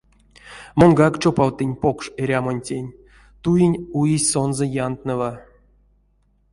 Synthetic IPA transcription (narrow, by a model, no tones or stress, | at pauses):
monɡakt͡ʃopawt̪ɨnʲpo̞kʂeɾʲamonʲtʲenʲ | t̪ujinʲujisʲso̞nzəjant̪nɨva